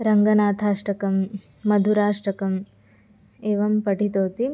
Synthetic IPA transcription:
ɾɐŋɡɐnaːt̪ʰaːʂʈɐkɐmː | ɐd̪ʱuɾaːʂʈɐkɐm | eːʋɐmpɐʈit̪oːt̪i

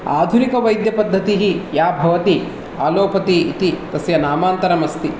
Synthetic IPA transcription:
aːd̪ʱunikɐʋɐjd̪jɐpɐd̪ʱːɐt̪iɦijaːbʱɐʋɐt̪i | aːloːpɐt̪iːt̪it̪ɐsjɐnaːmaːnt̪ɐɾɐmɐst̪i

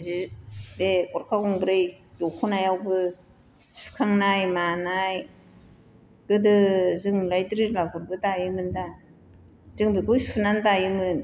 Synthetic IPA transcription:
zibekɔɾkʰawɔŋbɾɯjdɔkʰɔnajawbɯ | su̥kʰaŋnajmanaj | ɡ̥ɯdɯzɯŋlajtɾilaɡɔɾbɯtajɯmɯnda | zɯŋbikʰɔjsunantajɯmɯn

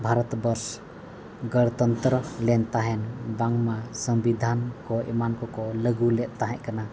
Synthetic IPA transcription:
bʱaɾɔt̪bəɾs | ɡəɽt̪ənt̪ɾəlɛnt̪aɦɛnbaŋmasəmbid̪ʱankɔḭmankɔkɔləɡulɛtʔ̚t̪aɦɛ̃ʔkana

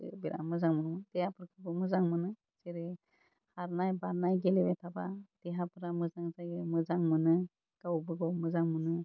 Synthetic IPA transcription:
biɾʔa̰mɯzaŋmɯnmdejapʰɯɾkʰɯbɯmɯzaŋmɯnɯ | seɾi | haɾnajbaɾnajɡelibetʰabad̥eɦapʰɯɾamɯzaŋzajɡɯmɯzaŋmɯnɯ | ɡ̥awbɯɡɔwmɯzaŋmɯnɯ

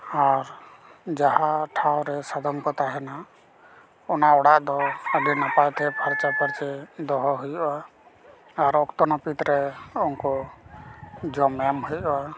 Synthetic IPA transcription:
aɾ | d͡ʒaɦaʈʰawɾɛsad̪ʱɔŋkɔt̪aɦɛnaʔ | ɔnaɔɽaʔd̪ɔəɡ̪inapat̪ʰɛpʰaɾt͡ʃapʰaɾt͡ʃɛd̪ɔɦɔɦujɔwa | aɾɔkt̪ɔnɔpit̪ɾɛɔŋkɔ | d͡ʒɔmɛmɦujɔwa

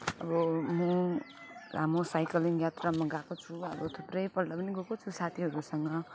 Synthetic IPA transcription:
ʌ̰bʌmʌ | amosajkʌliŋjat̪ramaɡakot͡sʰuʌ̰bʌt̪ʰuprʌjpʌɽɖapʌniɡokot͡sʰusat̪ʰiɦʌɾusʌŋɡʌ

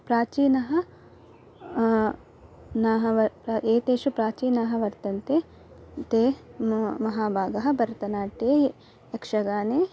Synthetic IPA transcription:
pɾaːt͡ʃiːnɐɦɐ̆ | naːɦɐʋɐpɾʔeːt̪eːʃupɾaːt͡ʃiːnɐɦɐʋɐɾt̪ɐnt̪eː | t̪eː | mɐɦaːbʱaːɡɐɦɐ̆bɐɾt̪ɐnaːʈe | ekʂɐɡaːneː

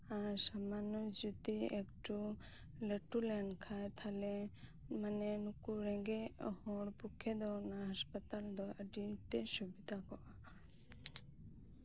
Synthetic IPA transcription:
aɾsamanɔd͡ʒut̪iekʈu | ləʈulɛnkʰajt̪ʰalɛ | manɛnukuɾɛ̃ɡehɔɽpukʰɛd̪ɔwnaɦaspət̪ald̪ɔəɖit̪ɛsubid̪ʱakɔʔa

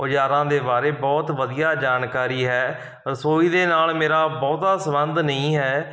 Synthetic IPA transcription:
ʊd͡ʒaːɾãːd̪eːbaːɾeːbɔːt̪ʋəd̪ijaːd͡ʒaːnkaːɾiːɦɛː | ɾəsoːiːd̪eːnaːlmeːɾaːbɔːt̪aːsəbənd̪nəĩːɦɛː

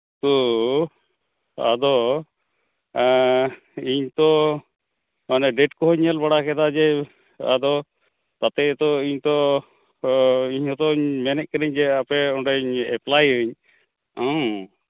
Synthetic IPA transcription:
t̪ɔ | a̰d̪ɔ | iɲt̪ɔ | manɛɖɛʈkɔɦɔɲɛlbaɽakɛd̪ad͡ʒɛ | a̰d̪ɔ | t̪at̪ɛt̪ɔiɲt̪ɔ | iɲhɔt̪ɔiɲmɛnɛʔ̚kəɾiɲd͡ʒɛapɛɔɳɖaiɲɛplajɯɲ | ɔ̃

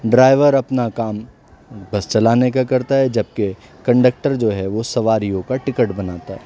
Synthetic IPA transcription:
ɖɾaːɪʋəɾɐpnakaːm | bɐst͡ʃɐlaːnekakɐɾt̪aɦɛd͡ʒɐb̚kekɐ̃ɳɖək̚ʈəɾd͡ʒoːɦɛʋosɐʋaːɾijõkaʈɪkəʈbɐnaːt̪aɦɛː

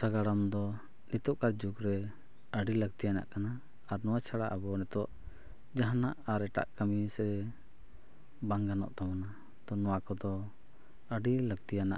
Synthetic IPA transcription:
saɡaɽamd̪ɔ | nit̪ɔʔkaɾd͡ʒukɾɛ | əɖiləɡ̚t̪ijana̰ʔkanaː | ɾnɔwat͡ʃʰaɽa̰ʔabɔnɛt̪ɔʔ | d͡ʒaɦanaʔaɾɛʈa̰ʔkamisɛ | baŋɡanɔ̰ʔt̪amana | t̪ɔnɔwakɔd̪ɔ | əɖiləɡ̚t̪ijana̰ʔ

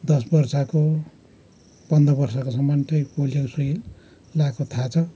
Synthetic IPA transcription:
d̪ʌsbʌrsʌko | pʌnd̪ʌbʌrsʌkosʌmːʌntʰʌjpoljoksi | lakot̪ʰat͡sʰʌ

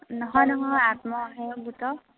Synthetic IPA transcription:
nɔɦɔjnɔɦɔat̪mɔɦeɡut̪ɔ

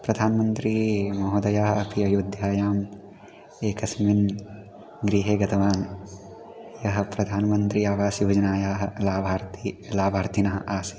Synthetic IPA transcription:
pɾɐd̪ʱaːnmɐnt̪ɾimɐɦod̪ɐjaːɦɐɐpiɐjud̪ʱjaːjaːm | eːkɐsmin | ɡɾiːɦeːɡɐt̪ɐʋaːn | jɐɦɐ̆pɾɐd̪ʱaːnɐmɐnt̪ɾiaːʋaːsjoːd͡ʒɐnaːjaːɦɐlaːbʱaːɾt̪ilaːbʱaːɾt̪ʰinɐɦɐʔaːsi̥

